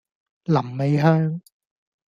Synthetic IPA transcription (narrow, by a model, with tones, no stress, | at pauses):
lɐ˨˩mːe˨˧jɦœː˥ŋ